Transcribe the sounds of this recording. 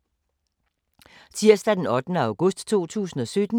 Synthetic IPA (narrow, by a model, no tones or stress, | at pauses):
siɐsd̥æd̥enɒ̽d̥nəɑ̈ʊɡ̥ɔsd̥t͡sʰo̝̰ːt͡sʰṵːsn̩ɒ̽sød̥n̩